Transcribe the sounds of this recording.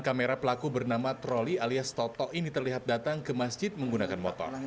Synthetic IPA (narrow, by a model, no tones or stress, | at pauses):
kameɾapəlakubərnamat̪ɾɔlialiast̪ɔt̪ɔʔinit̪ərliɦat̪̚dat̪aŋkəmasd͡ʒɪt̪̚məŋɡunakanmɔt̪ɔ̰r